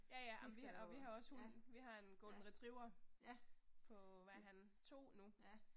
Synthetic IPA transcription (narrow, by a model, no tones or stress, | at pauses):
jæjæɑm̩ʋiɒ̽ʋiɦɑ̈ɒ̽shuʋiɦɑ̈e̝nɡ̥ɔːln̩ʁit͡sʰʁiʊɐ | pʰɒ̽ʋæɦæn | t͡sʰo̝̰ːnu